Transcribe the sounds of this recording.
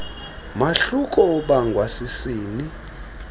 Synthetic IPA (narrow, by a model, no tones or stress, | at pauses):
maɬukʼɔɓaŋɡʱwasisiːni